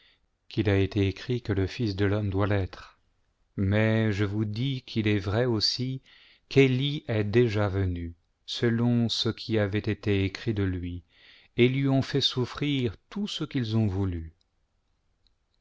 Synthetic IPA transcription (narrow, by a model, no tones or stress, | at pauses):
kilaet̪eekχikələfisd̪əlɔmd̪walɛt̪χ | mɛʒəvud̪ikʰilɛvʁɛosi | keliʔɛd̪eʒavəny | səlɔ̃səkʲʰiavɛt̪et̪eekχid̪əlɥi | elɥiɔ̃fɛsufχiʁt̪usəkilzɔ̃vuly